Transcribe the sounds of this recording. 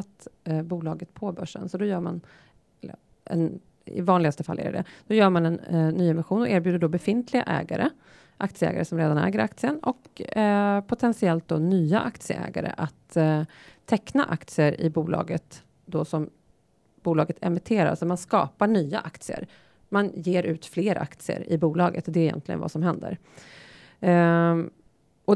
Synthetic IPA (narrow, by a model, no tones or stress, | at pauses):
at̪buːlɑːɡət̪pʰɔbœʂːə̰nsɔd̪ɔjœːɾman | ɛlə | ɛ̰n | ɪ̰vɑːnlɪɡast̪əfalːɛ̰ɾjə̰ɖɛ̰d̪̥ɔjœːɾmanɛnːyːɛmɪɧuːnɔʔeːɾbjʉːd̪əɖɔbɛfɪnt̪ʰlɪɡa̰ʔɛ̰ːɡaɾə | ʔak̚t̪sɪəɛ̰ːɡa̰ɾəsɔmɾeːd̪anɛ̰ːɡəɾʔak̚t̪sɪənɔk | pʰʊt̪ʰɛnsɪɛlt̪̚d̪ɔnyːaʔakt̪sɪə̰ʔɛ̰ːɡaɾə̰ʔat̪ʰː | ɛkːna̰ʔakt̪sɪəɾɪ̰buːlɑ̰ːɡət̪ | d̪ɔsɔm | b̥uːlɑːɡət̪ʰɛ̰mɪt̪ʰeːɾa̰ɾa̰sɔmanskɑ̰ːpaɳyːa̰ʔakt̪sɪə̰ɾ | manjeːɾʔʉ̟ːt̪fleːɾʔa̰kt̪sɪə̰ɾɪbuːlɑːɡət̪ɔd̪ɛɪjɛ̰nt̪lɪɡə̰nva̰sɔmɦɛnd̪ə̰ɾ | ɔ